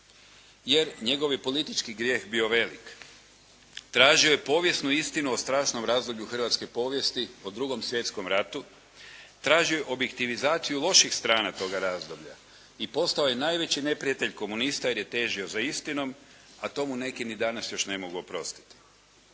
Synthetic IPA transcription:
je̞ɾɲe̞ɡo̞ʋjepo̞lit̪it͡ʃkiɡɾje̞ːxbio̞ʋe̞lik | t̪ɾaːʒio̞jepo̞ːʋje̞snuist̪inuo̞st̪ɾaːʃno̞mɾaːzd̪o̞bʎuxr̩ʋat̪ske̞po̞ːʋje̞st̪iod̪ɾuɡo̞msʋje̞t̪sko̞mɾat̪u | t̪ɾaːʒio̞jeʔo̞bje̞kt̪iʋizaːt̪sijulˠo̞ʃixst̪ɾaːnat̪o̞ːɡaɾaːzd̪o̞bʎa̰ | ipo̞st̪aoje̞najʋe̞t͡ɕine̞pɾiat̪e̞ʎko̞munist̪ajeɾjet̪e̞ːʒio̞zaist̪ino̞m | at̪o̞mune̞kinid̪anasjo̞ʃne̞mo̞ɡuo̞pɾo̞̰st̪i̥t̪i̥

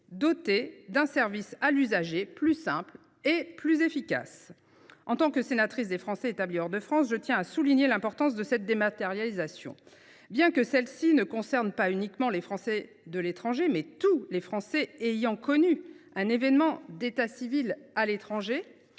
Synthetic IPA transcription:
d̪ɔt̪ed̪ɛ̃sɛʁvisalyzaʒeplysɛ̃pl | eplyzefika̰s | ɑ̃t̪ɑ̃kəsenat̪χis̬d̪efχɑ̃sɛet̪abliɔʁd̪əfχɑ̃sʒət̪jɛ̃asuliɲjelɛ̃pɔʁt̪ɑ̃s̬d̪əsɛt̪̚d̪emat̪eʁjalizasjɔ̰̃ | bjɛ̃kəsɛlsinəkɔ̃sɛʁnpaynikmɑ̃lefχɑ̃sɛ | d̪əlet̪χɑ̃ʒemɛt̪ulefχɑ̃sɛejɑ̃kɔnyɛ̃nevɛnmɑ̃d̪et̪asivilalet̪χɑ̃ʒe

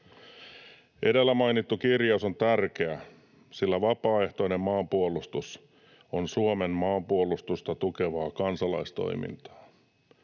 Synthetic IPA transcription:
ʔe̞delːæmɑjnit̪ːukirjɑuso̞nt̪ærk̟eæ | silːæʋɑpɑːe̞ht̪o̞ine̞mmɑːmpuolust̪us | onsuome̞mmɑːmpuolust̪ust̪ɑt̪uke̞ʋɑːkɑnsɑlɑjst̪o̞̰jmḭnt̪ɑ̥ː

